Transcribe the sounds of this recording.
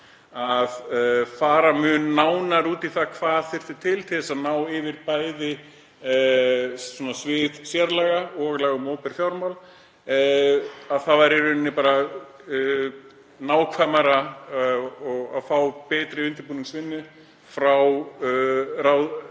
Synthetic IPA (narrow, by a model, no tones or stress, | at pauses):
aðfaːɾamʏːnːaːwnaɾuːt̪iθakʰvaːðθɪr̥t̪ʏt̪ʰɪlt̪ʰɪθɛsaðnaːwɪvɪɾpaːjðɪ | sɔːnasvɪðsjɛɾlaɣaɔɣlɛːɣʏmoːwpɛɾ̥fjawɾmawl | aðθavajɾɪɾʏnːɪpaːɾa | naːwkʰvamaɾa | ɔɣa̰ðfaːwpɛːt̪ɾɪʏnt̪ɪɾpuːniŋksvɪnːʏ | fɾaw | ɾawð